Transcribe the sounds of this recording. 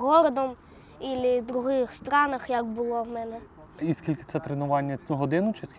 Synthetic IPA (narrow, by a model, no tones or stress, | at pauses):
ɦɔɾɔd̪ɔm | ilʲɪd̪ɾʊɦɪxst̪ɾɑnɐxjɐkbʊlˠɔwmɛnɛ | iskʲilʲkɪ̥tsɛt̪ɾenʊʋɑnʲːɐɦɔd̪ɪnʊt͡ʃɪsʲ